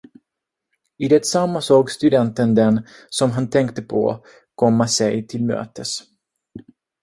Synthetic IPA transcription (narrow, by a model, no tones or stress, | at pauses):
ɪd̪ɛt̪samːasoːɡst̪ɵd̪ɛnt̪ənd̪ɛnsɔmɦant̪ʰɛŋkt̪əpʰɔ̰ | kʰɔmːasɛjt̪ʰɪlmø̰ːt̪əs